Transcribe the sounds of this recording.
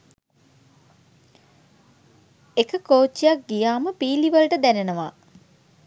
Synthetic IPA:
ekəkoːt͡ʃːijak̚ɡijaːməpiːliʋəlʈəd̪ænenəʋa̰ː

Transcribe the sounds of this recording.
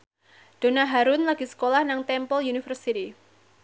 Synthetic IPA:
d̥o̤naɦaɾʊnlaɡ̥isə̥kolahnaŋt̪ɛmpəljunifərsit̪i

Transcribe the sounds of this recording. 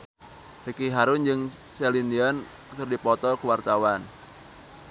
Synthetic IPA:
rikiɦaɾʊnd͡ʒɨŋ | sɛlindian | kɨrdipɔt̪ɔkuwart̪awan

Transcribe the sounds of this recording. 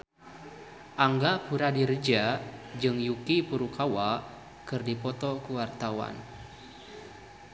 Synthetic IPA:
ʔaŋɡapuɾadird͡ʒad͡ʒɨŋjukipuɾukawa | kɨrdipɔt̪ɔkuwart̪awa̰n

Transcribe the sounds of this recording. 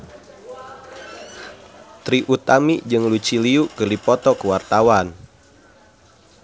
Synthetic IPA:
t̪ɾiʔut̪amid͡ʒɨŋlut͡ʃiliukərdipɔt̪ɔkəwart̪awan

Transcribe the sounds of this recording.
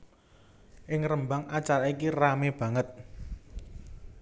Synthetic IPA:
ʔɪŋrəmbaŋat͡ʃaɾaikirameb̥ä̤ŋət̪̚

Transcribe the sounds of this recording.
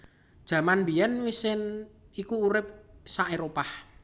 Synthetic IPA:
d̥ʒ̥ä̤manbijɛnwisɪn | ikuːɾɪp̚saʔeɾopah

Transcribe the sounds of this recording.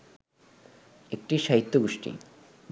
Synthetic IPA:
ek̚ʈiʃaɦit̪ːoɡoʃʈḭ

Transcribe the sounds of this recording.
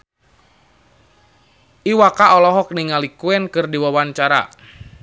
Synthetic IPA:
ʔiwakaɔlɔɦɔk̚niŋalikuɛnkɨrdiwawaɲt͡ʃaɾa̰

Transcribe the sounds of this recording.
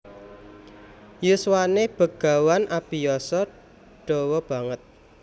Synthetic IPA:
juswaneb̥ə̤ɡ̥a̤wanʔab̥ijɔsɔ | ɖ̥ɔ̤wɔb̥a̤ŋət̪̚

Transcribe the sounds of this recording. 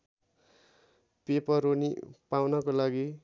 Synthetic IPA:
pepʌɾonḭpawnʌkolaɡi

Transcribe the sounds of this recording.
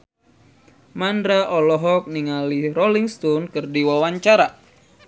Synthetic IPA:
mandɾaʔɔlɔɦɔk̚niŋaliɾɔliŋst̪ɔnkɨrdiwawaɲt͡ʃaɾa

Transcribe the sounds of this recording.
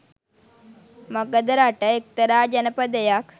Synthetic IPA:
məɡəd̪ɾaʈəek̚t̪əɾaːd͡ʒənəpəd̪əjak

